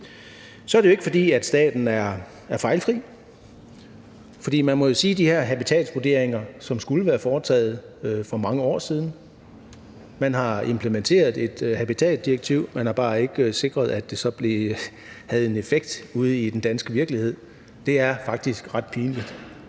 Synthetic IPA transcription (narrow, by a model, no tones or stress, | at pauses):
sɒ̽æɐɾeoe̝ɡ̥əfɒ̽d̥ḭːæd̥sd̥ɛ̰ːd̥n̩æɐ | æɐfɑ̈ɪlfʁḭː | fɒd̥ḭːmænmɒo̝siːd̥ihæɐ̰ɦæb̥it͡sʰɛ̰ːld̥sʋod̥e̝ɐ̰e̝ŋɐsɒ̽msɡ̥uləʋæːɐfɒːt͡sʰɛ̰ːð̞̩ˠfɒ̽mɑ̈ŋəɒ̰ːsiːð̞ˠn̩ | mænɦɑ̈e̝mpʰləment͡sʰe̝̰ːɐð̩ˠe̝d̥hæb̥it͡sʰɛ̰ːdd̥iɐɡ̥̚t͡sʰiʊ̰mænhɑ̈b̥ɑ̈ːe̝ɡ̥se̝ɡ̥ʁɐð̞̩ˠæd̥ːe̝sɒ̽b̥le̝ | hæð̞̩ˠe̝ne̝feɡ̥̚d̥uð̞̩ˠid̥end̥ænsɡ̥əʋiɐɡ̥lihe̝ð̰ˠ | d̥e̝æɐfɑ̈ɡ̥̚d̥isɡ̥ʁɑ̈d̥pʰiːnlid̥